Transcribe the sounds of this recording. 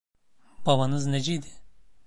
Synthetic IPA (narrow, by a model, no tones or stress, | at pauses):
b̥aβanɯzned͡ʒɛjd̪ɪ